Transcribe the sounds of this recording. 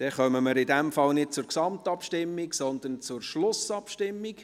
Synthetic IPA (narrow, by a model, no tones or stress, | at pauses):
d̥ɛχœməməɾɪdɛmfɑlnɪd̥̚t͡sʊɾksɑmtɑpʃtɪmːiksɔnd̪ənt͡sʊrʃlʊsɑpʃtɪmːik